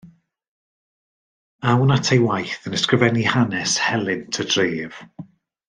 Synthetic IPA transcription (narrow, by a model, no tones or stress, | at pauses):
awnatʰejwajθənɛskrɪvɛnihanɛshɛlˠɪntʰədreːv̥